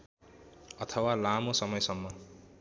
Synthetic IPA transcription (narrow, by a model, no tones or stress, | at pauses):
ʌt̪ʰʌwalamosʌmʌjsʌmːʌ